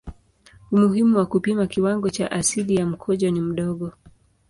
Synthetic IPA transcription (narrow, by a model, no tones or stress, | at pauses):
umuɦimuwakupimakiwaŋɡɔt͡ʃa̰ʔasilijam̩kʰɔʄɔnim̩ɗɔɠɔ